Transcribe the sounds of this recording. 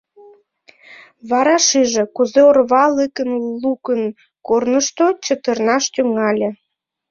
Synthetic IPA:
βɑɾɑʃiʒĕkuzeorβɑləkənlukən | kornəʃt̪ot͡ɕə̆t̪ərnɑʃt̪yŋɑlʲĕ

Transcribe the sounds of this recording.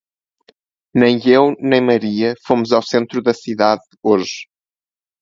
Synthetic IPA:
nɐ̃j̃ewnɐ̃j̃mɐɾiɐfomuzawsẽnt̪ɾuðɐsiðað | oʒ

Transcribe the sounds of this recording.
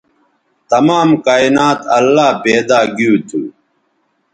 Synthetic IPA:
t̪ɐmaːmkaːinaːt̪ɐlːaːbeːd̪aːɡiuːt̪ʰu

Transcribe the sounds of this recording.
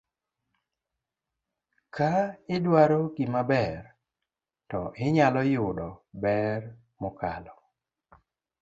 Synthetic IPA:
kʰaɪdwaɾokimabɛr | tɔʔɪɲalɔjʊdɔbɛr | mɔkalɔ

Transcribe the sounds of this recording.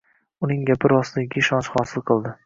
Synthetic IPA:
ʊnɪŋɡʲapʰɪɾɒsɪaɪɡʲɪʃɒnʃχɒːsɪlˠqʰɨlˠd̪ɪ

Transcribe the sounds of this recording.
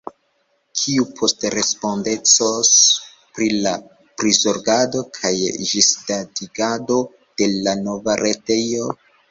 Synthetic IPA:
kʰiupʰo̞stɾe̞spo̞nde̞t͡sos | pɾila | pɾizoɾɡado̞kʰajʒisdadiɡado̞ | d̥e̞lano̞vaɾe̞te̞jo

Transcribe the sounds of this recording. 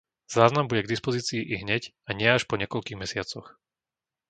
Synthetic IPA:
z̥aːznambuɟɛɡd̪ispɔziːt͡siːʔiɦɲɛc | aɲɪɛaʃpɔɲɛkɔʎkiːɣmɛsɪat͡sɔx

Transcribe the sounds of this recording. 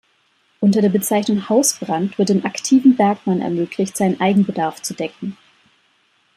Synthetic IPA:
ʔʊntɐdeːɐbət͡saɪçnʊŋhaʊsb̥ʁantv̥ɪɐt̚deːmʔaktʰiːvn̩bɛɐkmanɛ̰ɐmøːkʰlɪçtz̥aɪnənʔaɪɡŋ̩bədaɐft͡sudɛkŋ̩

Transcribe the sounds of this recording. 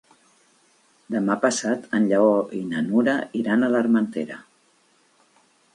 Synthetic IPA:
d̪əmapəsat̪ənʎəɔinənuɾəʔiɾanələɾmənt̪eɾə̰

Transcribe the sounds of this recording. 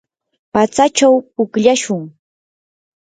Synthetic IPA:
pat͡sat͡ʃawpʊkʎaʃʊŋ

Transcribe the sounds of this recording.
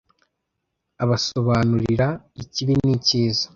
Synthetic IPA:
aβaso̞βaːnuɾiɾa | iciβiniciːzḁ

